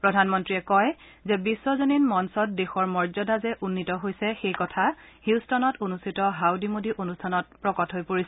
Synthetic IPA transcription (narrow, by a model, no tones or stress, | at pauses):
pɹɔdʱanmɔntɹiɛkɔj | zɛbisːɔzoninmɔnsɔt̚dexɔɹmɔɹzɔdazɛʔunːitɔɦojsɛxejkɔtʰa | hiwstɔnɔtonustʰitɔɦawdimodiʔonustʰanɔt̚pɹɔkɔtɦojpoɹisɛ